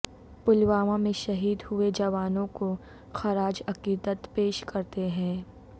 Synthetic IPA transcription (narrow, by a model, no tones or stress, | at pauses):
pʊlwaːʋãmẽʃɐɦiːd̪hʊed͡ʒɐʋaːnõko | xɐɾaːd͡ʒɐkiːd̪ət̪peːʃkɐɾt̪eɦɛ̃ː